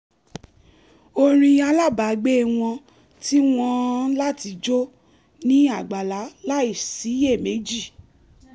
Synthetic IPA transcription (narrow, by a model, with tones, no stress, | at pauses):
o˧ɾ̃ĩ˧a˧la˦˨ba˨˦ɡ͡be˦˨w̃ɔ̃˧ | ti˦w̃ɔ̃˧la˦ti˧˦d͡ʒo˦ | nĩ˦a˦˨ɡ͡ba˨la˨˦la˦i˦˨si˨˦je˦˨me˨˦d͡ʒi˦˨